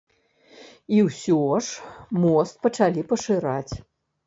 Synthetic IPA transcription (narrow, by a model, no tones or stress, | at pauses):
iwsʲɔʂmɔst̪̚pɐt͡ʂalʲipɐʂɨɾat͡sʲ